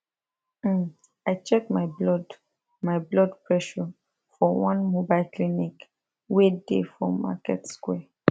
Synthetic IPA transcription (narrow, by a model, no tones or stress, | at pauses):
aɪt͡ʃɛk̚maɪblɔd | maɪblɔdpɹɛʃɔ | fɔwɔ̃nmobaɪlklinik | wedḛfɹɔma̰kɛ̰tskwɛ